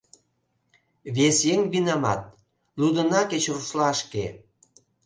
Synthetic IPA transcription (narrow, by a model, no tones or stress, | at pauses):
βesjeŋβinɑmɑ̰t̪̚ | lud̪ə̆nɑket͡ɕruʃlɑʃke